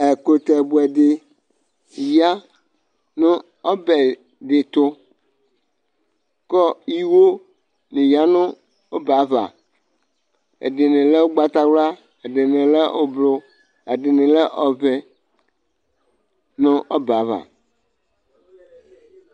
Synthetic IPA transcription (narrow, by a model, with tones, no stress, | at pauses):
e˨ko˦t̪ɛ˨bu˦ɛ˨ɖe˨ | ja˦ | nʊ̃˦ | ɔ˦bɛ˨ | ɖe˨t̪ʊ˦ | kɔ˦ji˦wo˦ | nĩ˨ja˦nʊ̃˦ | o˦ba˨˦βa̰˨ | ḛ˨ɖe˨nẽ˨le˦wo˦ɡ͡ba˦t̪a˦wla˦ | e˨ɖe˨nẽ˨lɛ˦ʔo˦blo˦ | e˨ɖɪ˨nɪ̃˨lɛ˦ʔɔ˨vɛ˦ | nʊ̃˦ʔɔ˦ba˨˦βa̰˨